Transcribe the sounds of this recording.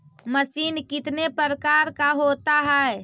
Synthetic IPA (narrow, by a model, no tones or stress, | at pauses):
məsiːnkɪt̪nepəɾəkaɾkaɦot̪aɦɛ